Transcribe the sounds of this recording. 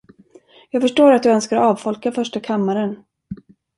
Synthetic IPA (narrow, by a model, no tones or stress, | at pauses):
jɑːɡfœʂʈoːɾat̪̚d̪ɵœnskaɾɔɑːvfɔlkafœʂʈakʰamːaɾən